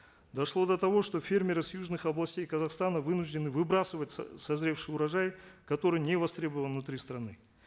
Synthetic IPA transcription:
d̪ɐʂlˠo̞d̪ɐt̪ɐvo̞ʂt̪o̞fʲe̞rmʲɪɾɨsjuʐnɨxɐblˠɐsʲtʲejkɐzɐχst̪anəvɨnuʐdʲɪnɨvɨbɾasɨvətʲsɐzɾʲe̞fʂɨjʊɾɐʐajkɐt̪o̞ɾɨjnʲevɐst̪ɾʲe̞bəvəlnˠnːʊt̪ɾʲist̪ɾɐnɨ

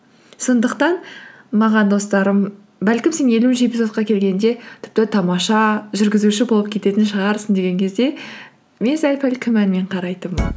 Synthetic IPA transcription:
so̞nd̪əqt̪ɑn | mɑʁɑnd̪o̞st̪ɑɾəm | bælkʲɪmse̞ne̞lunʒe̞bɪsot̪qɑkʲʰe̞lɡʲe̞nd̪e̞t̪ʰɪ̥p̚t̪ɪt̪ʰɑmɑʃɑʒʏɾɡʲɪzuʃɪbo̞lˠəpkʲʰet̪e̞t̪ɪnʃəʁɑɾsənd̪e̞ɡʲe̞ŋkʲʰe̞zd̪e̞ | me̞nsælʲpʰælkʲʰɪmænme̞ɴqʰɑɾɑjt̪əm

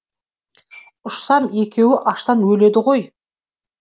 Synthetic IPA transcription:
ʊʃsɑme̞kʲʰe̞wɪʔɑʃt̪ɑnwɵle̞d̪ɪʁo̞j

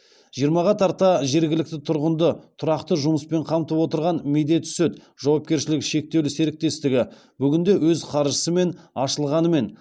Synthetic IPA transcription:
ʒ̥ijəɾmɑʁɑt̪ʰɑɾt̪ɑʒe̞ɾɡʲɪlɪk̚t̪ɪt̪ʰʊɾʁənd̪ət̪ʰʊɾɑqt̪əʒʊməspe̞ɴqʰɑmt̪əpwo̞t̪əɾʁɑnmejd̪e̞t̪sɵt̪ | ʒ̥ɑwɑp̚kʲe̞ɾʃɪlɪkʃe̞k̚t̪e̞wlɪse̞ɾɪk̚t̪e̞st̪ɪɡʲɪ | bʏɡʲɪnd̪e̞wɵzqʰɑɾʒəsəme̞nɑʃəlˠʁɑnəme̞n

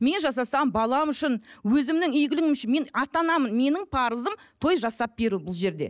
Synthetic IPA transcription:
me̞nʒɑs̬ɑsɑmbɑlˠɑmʏʃɪnwɵzɪmnɪŋʏjɡɪlɪŋɪmʃɪnme̞nɑt̪ɑnɑmənme̞nɪŋpʰɑɾəzəmt̪ʰo̞jʒɑsɑp̚b̥e̞ɾuwbʊlˠʒe̞ɾd̪e̞̰

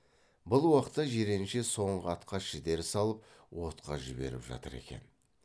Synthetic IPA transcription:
bʊlˠwɑqət̪ːɑʒeɾe̞nʃeso̞ɴʁəɑt̪qɑʃʒɪd̪e̞ɾɪsɑlˠəp̚wo̞t̪qɑ̰ʒɪbe̞̰ɾɪ̰pʒɑ̰t̪əɾe̞̰kʲe̞̰n

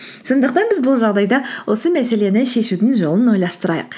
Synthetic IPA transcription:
so̞nd̪əqt̪ɑnbɪzbʊlˠʒɑʁd̪ɑjd̪ɑwʔo̞səmæse̞le̞nɪʃe̞ʃud̪ɪnʒo̞lˠənwo̞jlˠɑst̪əɾɑjə̰q

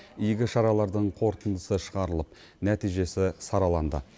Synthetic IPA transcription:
ʏjɡʲɪʃɑɾɑlˠɑɾd̪əɴqʰo̞ɾt̪ənd̪əsəʃəʁɑɾəlˠəp̚ | næt̪ijʒe̞sɪsɑɾɑlˠɑnd̪ə̰

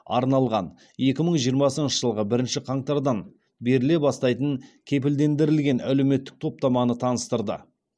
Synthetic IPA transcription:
ɑ̰ɾnɑlˠʁɑn | je̞kʲɪməɴʒijəɾmɑsənʃəʒəlˠʁəbɪɾɪnʃɪqʰɑɴt̪ɑɾd̪ɑn | be̞ɾɪle̞bɑst̪ɑjt̪əŋkʲʰe̞p̬ɪld̪e̞nd̪ɪɾɪlɡʲe̞nʔæ̰le̞wme̞t̪ːɪ̥k̚t̪ʰo̞p̚t̪ɑmɑnət̪ʰɑnəst̪əɾd̪ə̰

